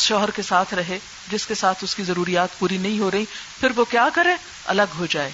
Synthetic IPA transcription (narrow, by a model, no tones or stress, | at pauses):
sʃɔːɦəɾkesaːt̪ʰɾɐɦe | d͡ʒɪskesaːt̪ʰʊskizɐɾuːɾijaːt̪puːɾinɐɦĩɦoɾɐɦĩpʰɪɾʋokjaːkɐɾẽː | ɐ̰ləɡɦod͡ʒaːḛː